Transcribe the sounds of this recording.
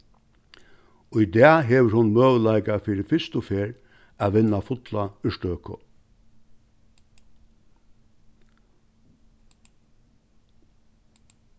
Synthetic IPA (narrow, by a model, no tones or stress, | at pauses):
ʊjd̪ɛaɦɛʋəɾhʊnmœːʋəlajkafiːɾɪfɪst̪ʊfeːɾ | aʋɪnːafʊt̪laʏʂʈ̪œːkʰʊ̰